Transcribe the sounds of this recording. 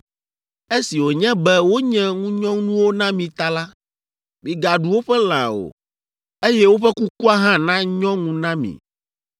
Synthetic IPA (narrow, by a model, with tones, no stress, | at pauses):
e˦si˨wo˨ɲɛ̃˦bɛ˦wo˦ɲɛ̃˦ŋũ˦ɲɔ̃˦nũ˦wo˦nã˦mĩ˨t̪a˦la˦ | mĩ˨ɡa˨ɖu˨wo˦ɸɛ˦l̃ã̰˨o̰˨ | e˦jɛ˦wo˦ɸɛ˦ku˦ku˦a˦ɦã˦nã˦ɲɔ̃˦ŋũ˦nã˦mḭ̃˨